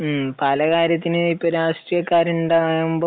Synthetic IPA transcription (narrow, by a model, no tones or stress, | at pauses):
pɐlɐkaːɾjɐt̪ːinɨipːoɾaːʂʈrijɐkːaːɾuɳɖaːjumboː